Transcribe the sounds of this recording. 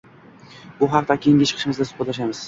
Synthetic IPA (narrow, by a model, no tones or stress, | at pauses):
bʊɦɑq̚t̪akʲʰeɪŋʲɪt͡ʃʰɨ̥qʰɨʃɪmɪzd̪asʊ̥pʰat̪laʃ̬amɪz̥